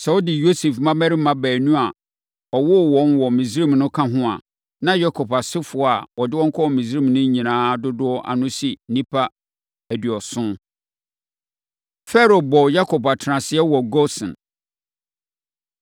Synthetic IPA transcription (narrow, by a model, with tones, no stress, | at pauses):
sɛ˨ɔ˦dɪ˨jo˦se˨fmã˦mɛ˦ɾɪ˦mã˦bæː˨nũ˦a˨ | ɔ˨wɔ˦˨wɔ̃˨˦nwɔ˨mĩ˨si˦ɾĩ˦mnʊ̃˦kʰã˦ɦʊ̃˦a̰˨ | nã˦ja˦kʰɔ˨pa˨sɪ˦fʊ˨˦ɔ˨˦a̰˨ɔ˨dɪ˦wɔ̃˦ŋ̩˦kʰɔ˦ɔ˨mĩ˨si˦ɾĩ˦˨mnʊ̃˦ɲĩ˨nãː˦dʊ˦dʊ˦ɔ˦ʔa̰˨nʊ̃˦si˨nĩ˦pʰa˦ | æ˨di˨ɔ˨sʊ̃˦ | fɛ˦ɾo˨bɔ˨ja˦kʰɔ˨pa˨tʰɪ˨ɾã˨sɪ˦ɛ˦wɔ˨ɡɔ˦sɪ̰̃˨n